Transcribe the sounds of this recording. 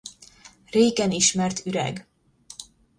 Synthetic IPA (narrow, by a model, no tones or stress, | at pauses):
reːkɛniʃmɛrt̪yɾɛ̰ɡ